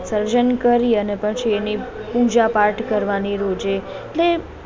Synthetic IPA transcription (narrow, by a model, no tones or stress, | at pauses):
səɾd͡ʒənkəɾiənepəɳt͡ʃʰienipud͡ʒapaɾʈʰkəɾʋaniɾod͡ʒe | eʈle